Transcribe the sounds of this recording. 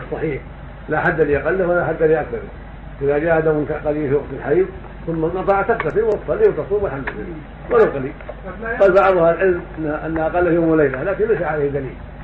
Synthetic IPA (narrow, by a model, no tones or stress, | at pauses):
sˤːɑħiːħ | laħad̪ːaliʔɑqɑlːawalaħad̪ːaliʔakθɑɾˤ | ʔɪðad͡ʒaːhad̪awɪnkaqɑliːlfiwɑqt̪ɪlħaiːd̪ | θʊmːanɑt̪ˤɑʕt̪akt̪asɪwɑt̪ˤfˤɑlːiːwt̪ɑsˤuːmɪlħamd̪ɪlːa̰lː | waɾalqɑliːlqɑːlbɑʕðˤʊhalʕɪlmʔɪnːʔanːaʔɑqɑlːahjoːmlejlalaːkɪnlasaʕalejhd̪alḭːl